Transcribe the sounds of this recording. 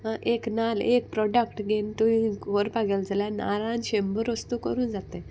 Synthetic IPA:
ɦãʔeknalek̚pɾɔɖəkʈɡent̪uĩkoɾpaɡeld͡zəlana̰ɾãnɕembəɾəst̪ukəɾuːnd͡zat̪ẽ

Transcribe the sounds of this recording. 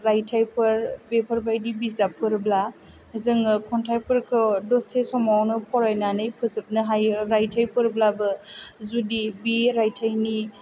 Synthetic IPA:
ɾajtʰajpʰɯɾbepʰəɾbajdibizapʰɯɾbla | zɯŋɯkʰɔntʰajpʰɯɾkʰɯdɔsesɔmawnɯpʰɔɾajnanɯjpʰɯzɯp̚nɯɦajɾajtʰajpʰɯɾblabɯzudibiɾajtʰajni

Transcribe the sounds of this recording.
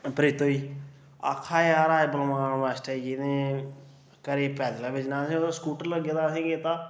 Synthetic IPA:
pəɾɪt̪oːiː | a̰kʰːaːjaːɾaːebəlmaːnʋaːsʈaːikiːnẽː | kəɾeːpɛːd̪laːbɪt͡ʃnãːsĩoskuːʈəɾləɡed̪aːsĩːɡeːt̪aː

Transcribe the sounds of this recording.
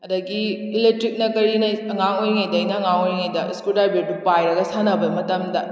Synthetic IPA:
ɐdɐɡi | ilek̚tɾik̚nɐkɐɾinɐɐŋaŋojŋɐjdɐjnɐːŋaŋojŋejdɐiskuldajbiɾdupajɾɐɡɐsanɐbɐmɐtɐmdɐ

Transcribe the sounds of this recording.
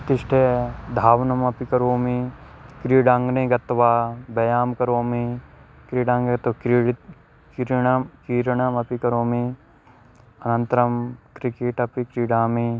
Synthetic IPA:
t̪ɪʃʈʰed̪ʱaːʋnɐmɐpikɐɾoːmikɾiːɖãːŋɡneɡɐt̪ʋaːbɐjaːmkɐɾoːmi | kɾiːɖãːŋɡeɐt̪kiɽ | kɾɐkiːɾɳɐmɐpikɐɾoːmi | ɐnɐ̃nt̪ɾɐmkɾikeːʈɐpikɾiːɖaːmi

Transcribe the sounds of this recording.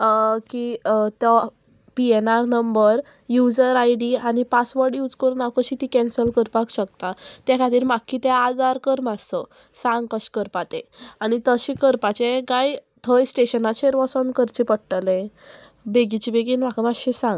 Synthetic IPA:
kit̪jɔ | pienaɾnəmbəɾ | jud͡zəɾajɖianipasʋəɾɖjuːd͡zkəɾunakəɕit̪ikɛ̃nsəlkəɾpakɕək̚t̪at̪jakʰat̪iːɾmakʰːit̪ɛad͡zaɾkəɾmast̪ɔ | sãŋɡkəɕkəɾpat̪ẽañit̪əɕĩkəɾpat͡ɕeɡajt̪ʰəjsʈeɕənat͡ɕeɾʋɔsənkəɾt͡ɕipəɽʈəlẽ | beɡit͡ɕibeɡiːnmakəmaɕisãŋɡ

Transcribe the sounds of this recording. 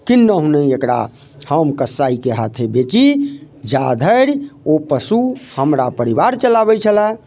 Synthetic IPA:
kinːəɦuneekɽa̰ | həmkəsːaikeɦat̪ʰebet͡ʃi | d͡ʒad̪ʱəɾopəsuhəmɾapəɾibaɾt͡ʃəlabɛt͡ʃʰəla

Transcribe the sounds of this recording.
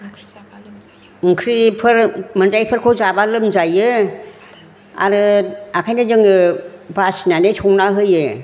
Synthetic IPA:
ŋkʰɾipʰɯɾmɯnzajpʰɯɾkʰɔzabalɯmzajɯ | a̰ɾɯakʰajnazɯŋɯbasinanestʰɔŋnaɦɯjɯ

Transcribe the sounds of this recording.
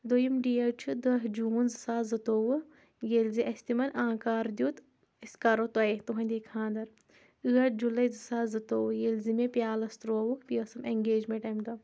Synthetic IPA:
d̪ojimɖijɐt͡ʃʰud̪ɐɦd͡ʒuːnzɨsaːzɐt̪oːwɨ | jelziʔɐsʲt̪imɐnãːkaːɾd̪ʲjuːt̪ | iskaɾot̪ɐet̪uɦɐ̃nʲd̪eːkʰãːnd̪ɐɾ | ɨɐd͡ʒulɐjzɨsaːzɐt̪oːwjelzimẽpjaːlɐst̪ɾoːwukpiɐsɐmeŋɡeːd͡ʒmẽɳʈɐmɖɐ

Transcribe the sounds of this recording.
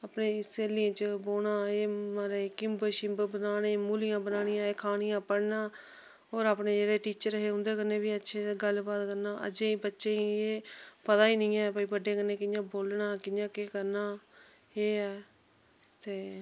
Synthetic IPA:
apneːseːlɪjãːt͡ʃəboːɳaːeːmɾeːkɪmbəʃɪ̃bbənaːɽẽːmuːlɪjãːbənaːɽɪjãːeːkʰaːɽɪjãːpəɽnaː | oːɾaːpɳeːd͡ʒeːɽeːʈiːt͡ʃəɾɦeːɦʊ̃nd̪eːkəneːbiːətːʃʰeːɡəlbaːt̪kəɾnaːʔə̰d͡ʒeiːbətːʃẽːiːeːpət̪aːiːnɪĩːɛːbəiːbəɖeːkənːeːkɪnjãːboːlnaːkɪjãːkeːkəɾnaː | eːɛː | t̪eː

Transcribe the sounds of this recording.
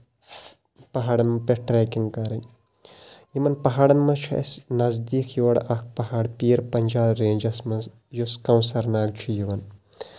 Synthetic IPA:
pɐɦaːɽɐnmɐpeʈɾɛːkiŋɡkɐɾɐn | jimɐnpɐɦaːɽɐnmɐt͡ʃʰuɐ̰snɐzd̪iːkʰjoːɽʔɐk̚ʰpɐɦaːɽpiːɾpɐnʲd͡ʒaːlɾeːnʲd͡ʒɐsmɐz | joskɐwsɐɾnaːlt͡ʃʰujiʋɐn

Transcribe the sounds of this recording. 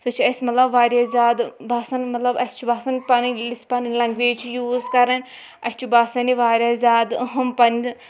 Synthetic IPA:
sot͡ʃʰiɐsʲmɐt̪lɐbʋaːɾjaːzʲaːd̪baːsɐnmɐt̪lɐbɐsʲt͡ʃʰubaːsɐnpɐnilisʲpɐnlɐŋɡʋeːt͡ʃʰijuːzkɐɾɐnʲ | ɐsʲt͡ʃʰibaːsɐniʋaːɾʲjaːzʲaːd̪ɦɐmpɐn

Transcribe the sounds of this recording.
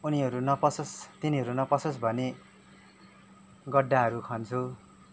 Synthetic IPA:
uniʌɾunʌpʌsost̪iniɦʌɾunʌpʌsosbʱʌne | ɡʌɖːaɦʌɾukʰʌnt͡sʰu

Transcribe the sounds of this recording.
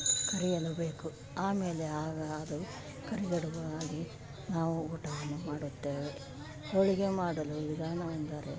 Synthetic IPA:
kɐɾijɐlɐbe̞ːku | aːme̞ːleaːɡɐːd̪u | kɐɾiɡɐɽuʋɐaːɡi | naːʋuuːʈɐʋɐnːumaːɽut̪ːe̞ːʋe | t̪oɭiɡemaːɽɐluid̪iɡaːnɐɐnd̪aːɾe

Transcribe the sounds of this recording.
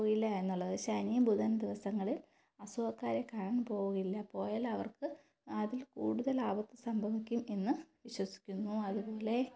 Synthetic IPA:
ɣilːɐe̞nːuɭːɐðɨɕɐnijɐbʱuðɐnɐd̪iʋɐsɐŋːɐɭil | ɐsuɐkːaːɾɐkaːɳaɳupo̞ːɣuɣɐilːɐpo̞ːjaːlɐʋɐ̰rkɨ | ɐðilkuːɽuðɐlaːbɐt̪ːɨsɐmbʱɐbikʲːumenːɨʋiɕwɐsi̥kʲːunːuɐðupo̞ːle̞

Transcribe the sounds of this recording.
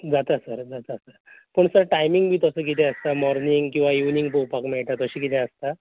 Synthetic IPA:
d͡zat̪asəɾd͡zat̪asəɾpəɳsəɾʈajmiŋɡbʱiːt̪əsəːk̬it̪ʰɛ̃əst̪amɔɾniŋɡkĩw̃ʋajuʋniŋɡpowpakmɛɭʈ̪at̪əɕiːkit̪ʰɛ̃əst̪a

